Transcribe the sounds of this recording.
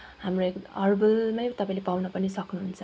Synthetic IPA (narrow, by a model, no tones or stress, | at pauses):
ɦamroekʌrbʌlmajt̪ʌpãĩlepawnʌpʌnisʌknuɦunt͡sʰʌ